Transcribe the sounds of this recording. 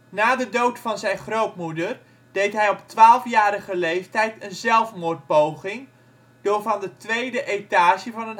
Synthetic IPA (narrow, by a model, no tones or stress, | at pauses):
naːdədowtfɑnzɛjnχrowtmudər | d̥ejtɦɛjɔptʋaːlˠəfjaːɾəχəlejftɛjtənzɛlˠfmʊːrt̚powχɪŋ | d̥ʊːɹvɑndətʋejdəʔejtaːʃəvɑnən